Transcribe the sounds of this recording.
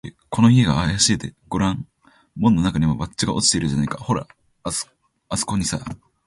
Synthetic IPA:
e | kʰo̞no̞ieɡaːjaɕit̪e̞ɡ̥o̞ɾãŋ | mõ̞nːo̞nakaɲ̟imobat͡ɕːt͡ɕːiɡaʔo̞t͡ɕi̥t̪eɾɯ̟d͡ʑanaikaho̞ɾa̰̥ | asɨ̥ko̞ɲ̟isa̰

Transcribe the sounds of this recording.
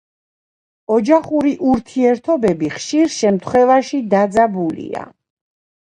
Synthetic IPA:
ɔd͡ʒaχuɾiʔuɾt̪ʰiɛɾt̪ʰɔbɛbiχʃiɾʃɛmt̪ʰχwɛvaʃid̪ad̪zabulḭa̰

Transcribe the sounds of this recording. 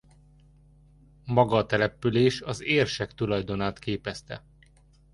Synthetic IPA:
mɒɡɒt̪ɛlɛpyleːʃɒzeːrʃɛkt̪ulɒjd̪o̞naːt̪keːpɛst̪ɛ̰

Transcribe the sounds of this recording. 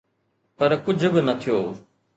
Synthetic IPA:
pɐɾkʊd͡ʒʱbɪnɐt̪ʰijoː

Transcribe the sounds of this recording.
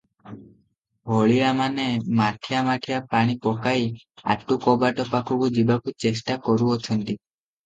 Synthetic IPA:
bʱɔɭiɭamanemaʈʰijamaʈʰijapaɽ̃ipɔkai | a̰ʈːukɔbaʈɔpakʰukud͡ʒibakut͡ʃesʈakɔɾuɔt͡ʃʰɔɳʈi

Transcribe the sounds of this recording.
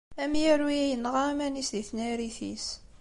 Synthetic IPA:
æmjəɾwiæjənʁamænisðiθnæɾiθḭs

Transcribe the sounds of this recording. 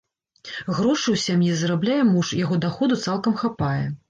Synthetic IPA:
ɣɾɔʂɨwsʲamjizɾablʲajɛmuʂjaɣɔd̪axɔd̪ut̪salˠkɐmxapajɛ

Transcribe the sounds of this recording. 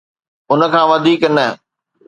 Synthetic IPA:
ʊnə̆kʰãːʋɐd̪ʱiːknɐ

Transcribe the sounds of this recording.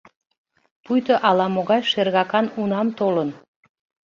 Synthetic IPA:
pujt̪oʔɑlɑmoɣɑjʃerɣɑkɑnunɑmt̪olən

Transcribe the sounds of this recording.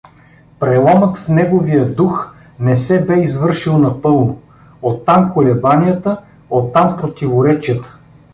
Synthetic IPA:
pɾɛlˠɔmət̪fnɛɡovijəd̪ux | nɛsɛbɛizvɤɾʃilˠnɐpɤlˠno | ot̪ːamkolɛbanʲijət̪ə | ot̪ːampɾot̪ivoɾɛt͡ʃijət̪ə̥

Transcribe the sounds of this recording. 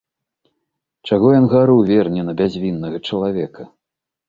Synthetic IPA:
t͡ʂaɣɔjɔnɣaɾɨwvʲɛrnʲɛnɐbʲazʲvʲinːɐɣɐt͡ʂɐlˠavʲɛkɐ

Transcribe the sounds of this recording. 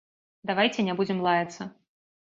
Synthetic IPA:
d̪avajt͡sʲɛnʲabud͡zʲɪmlˠajʲɐt̪sːɐ

